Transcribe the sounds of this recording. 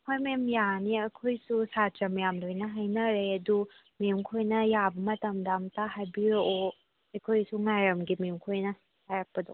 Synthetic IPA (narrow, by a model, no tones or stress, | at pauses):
kʰojmemjaniɐkʰojsusat͡ʃɐmjamdojnɐɦajnɐɾeɐdu | memkʰojnɐjabɐmɐtɐmdamtaɦajbiɾoʔo | ɐjkʰojsuŋajɾɐmɡimemkʰojnɐ | hajɾak̚pɐdo